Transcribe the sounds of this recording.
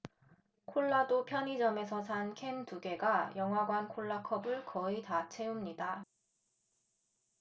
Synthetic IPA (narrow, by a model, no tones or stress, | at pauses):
kʰoɭːadopʰjʌɲid͡ʑʌme̞sʰʌsʰankʰe̞ntuɡe̞ɡajʌŋɦwaɡwankʰoɭːakʰʌbɯɭkʌitat͡ɕʰe̞umɲida